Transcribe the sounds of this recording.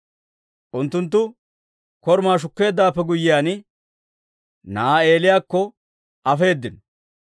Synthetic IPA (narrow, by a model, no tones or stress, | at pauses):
ʔʊnt̪ːʊnt̪̬ːʊ | kɔɾmaːʃ̬ʊkːe̞ːd̪ːaːpːɛɡʊjːɪjaːnɪ | naːeːlɪjaːkːɔ | ʔɐfe̞ːd̪ːɪnɔ